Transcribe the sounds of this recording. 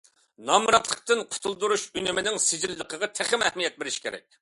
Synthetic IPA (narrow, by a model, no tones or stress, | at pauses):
nɑmɾɑt̪lˠəq̚t̪ɨnqʰʊ̥t̪ʰulˠd̪uɾuʃynɪmɪnɪŋsɪd͡ʒilːəqʰəʁɑt̪ʰæχɪmɛhmijɛt̪̚bɪɾɪʃkʲʰeɾɛ̰k̚ʲ